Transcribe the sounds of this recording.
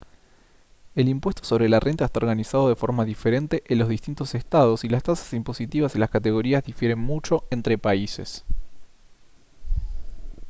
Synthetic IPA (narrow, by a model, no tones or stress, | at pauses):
e̞limpwe̞st̪oso̞βɾe̞lare̞nt̪aest̪ao̞ɾɣanisað̞o̞ð̞efo̞ɾmaðife̞ɾe̞nt̪e̞ʔenlo̞zðist̪int̪o̞sest̪að̞o̞silast̪asḁsimpo̞sit̪iβasilaskat̪eɣ̞o̞ɾiazðifje̞ɾe̞nmut͡ʃo̞ʔent̪ɾe̞paise̞̰s